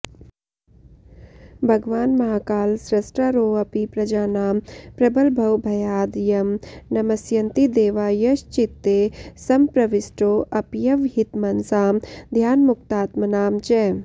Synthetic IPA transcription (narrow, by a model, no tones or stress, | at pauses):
bʱɐɡʋaːnmɐɦaːkaːlsɾɐsʈɾaɾoːɐpipɾɐd͡ʒaːnaːmpɾɐbɐlbʱɐwbʱɐjaːd̪jɐmnɐmɐsjɐnt̪id̪eːʋaːjɐʃt͡ʃit̪ːeːsɐmpɾɐʋisʈoːʔɐpjɐʋɦit̪mɐnsaːmd̪ʱjaːnmukt̪aːt̪mɐnaːmt͡ʃɛː